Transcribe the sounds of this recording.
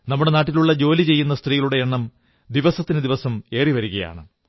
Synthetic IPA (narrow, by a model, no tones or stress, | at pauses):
nɐmːuɽe̞naːʈːiluɭːɐd͡ʑo̞ːlit͡ɕe̞jːunːɐst̪riːjɐluɽe̞eɳːɐm | d̪iʋɐsɐt̪ːinɨd̪iʋɐsɐme̞ːriʋɐɾuɣɐja̰ːɳɨ